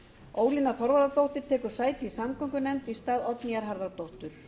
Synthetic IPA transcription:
oːwlinaθɔɾvaɾðat̪owht̪ɪɾ̥t̪ʰɛːkʏɾ̥saːjt̪ɪisamkʰɔŋkʏnɛmt̪ist̪aːðɔt̪niaɾɦaɾðaɾt̪owht̪ʏɾ̥

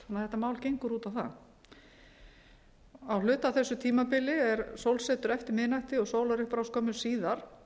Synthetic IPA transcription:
hanːaθɛt̪ːamaːwlcejŋkʏɾuːt̪awθa̰ | awlʏːt̪awθɛsːʏt̪ʰiːmapɪlɪɛɾsowlsɛt̪ʏɾɛft̪ɪɾmɪːnajht̪ɪɔɣsowlaɾɪhpɾawskʰɔːmʏɾ̥siːðaɾ̥

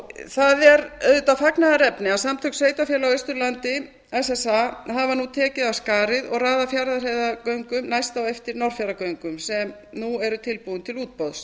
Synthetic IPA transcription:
θaðɛɾœðt̪afaknaðaɾɛpnɪawsamt̪ʰʏksveːjt̪afjɛlawejst̪ʏɾlant̪ɪ | ɛsɛsahavanut̪ʰɛːcɪðaskaːɾɪðɔɣraːðafjaɾðarejðakœɥŋkʏmnajst̪awɛft̪ɪɾnɔr̥fjaɾakœɥŋkʏmsɛm | nuɛɾʏt̪ʰɪlpuːðʏnt̪ʰɪluːt̪̚powðs

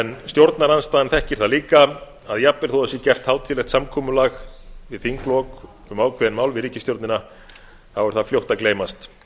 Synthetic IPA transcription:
ɛnst̪jowɾt̪naɾanst̪aːðɪnθɛhcɪɾ̥θaðliːka | aðjapɛɾ̥θɔʏsɛcɛr̥t̪hawt̪ʰɪlɛxt̪samkʰɔːmʏlaxvɪðθiŋklɔk | ʏmaːwkʰvɛðɪnmaːwlvɪðɾiːcɪst̪jowɾt̪nɪna | θawʏɾ̥θafljowht̪akleːjmast̪

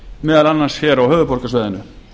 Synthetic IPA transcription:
mɛːðalanːḁsçɛːɾawhœːvʏpʰɔr̥kasvɛːðɪnʏ

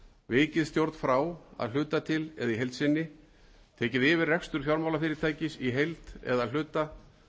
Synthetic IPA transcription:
vɪːcɪðst̪jowɾt̪n̥fɾaːwa̰ðl̥ʏːt̪at̪ʰɪlɛðaiɦejlt̪sɪnːɪ | t̪ʰɛːcɪðɪːvɪrrɛkst̪ʏɾ̥fjaɾmawlafɪːɾɪt̪ʰaːjcɪsiɦejlt̪ɛ̰ðaðl̥ʏːt̪a

